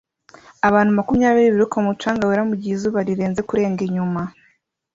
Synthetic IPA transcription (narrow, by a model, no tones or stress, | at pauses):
aβaːn̥humakumjaːβiɾiβiɾukamut͡ʃaːŋɡaweɾamuɟizuβaɾiɾeːnze̞kuɾe̞ːŋɡeɲuma